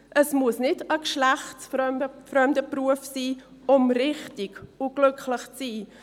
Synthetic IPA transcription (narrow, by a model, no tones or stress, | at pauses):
ʔəsmuəsnɪdəkʃlæχtsfœəfɾœmdəpruəfsiː | ʊmrɪχtɪɡ̥ʊɡ̥lʏkχlɪχt͡siː